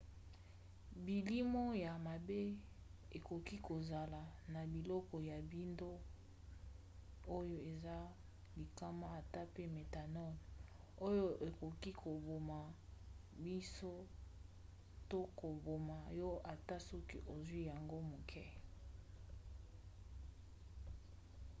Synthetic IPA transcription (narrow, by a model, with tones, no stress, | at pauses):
bi˨li˦mo˦ja˨ma˨be˦ | e˨ko˨ki˦ko˨za˨la˨na˨bi˨lɔ˦kɔ˨ja˨bi˦ndo˦ | o˦jo˦e˨za˦ | li˨ka˦ma˦a˨ta˦pe˦me˨ta˨nɔ˦n˨ | o˦jo˦ʔe˨ko˨ki˦kʰo˨bo˨ma˨ | bi˦so˦ | to˦ko˨bo˨ma˨jɔ˦ʔa˨ta˦sɔ˦kḭ˦ʔo˨zwi˦ja˨ŋɡo˦mo˨kʰɛ˦